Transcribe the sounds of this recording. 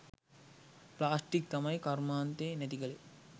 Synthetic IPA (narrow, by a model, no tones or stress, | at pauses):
plaːsʈik̚t̪amɐjkaɾmaːnt̪eːnɛt̪ikəle